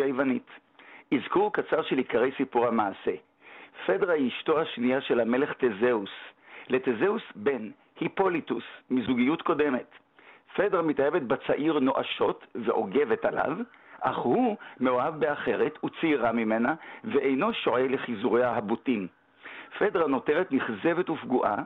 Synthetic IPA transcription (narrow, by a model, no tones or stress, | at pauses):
ajvanit | izkuʁkat͡saʁʃelikaʁejsipuʁhamaːse | fedʁaiʃto̞haʃnijaʃelame̞le̞χtezeusle̞tezeusbe̞n | hipo̞litusmizuɡijutko̞de̞me̞t | fe̞dʁamitajevetbat͡saʔiʁno̞ʔa̰ʃo̞tveʔo̞ɡe̞vetala̰v | ʔa̰χhumeoavbe̞aχe̞ʁetʰut͡siiʁamime̞naveʔejno̞ʃo̞ʕeleχizuʁeaɦabutim | fe̞dʁano̞teʁetniχze̞ve̞tufɡuʔa̰